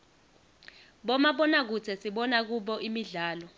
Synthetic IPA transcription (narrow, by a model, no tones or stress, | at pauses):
ɓɔmaɓɔnak̬ut͡sʰɛsiɓɔnak̬uɓɔʔimiɮaːlɔ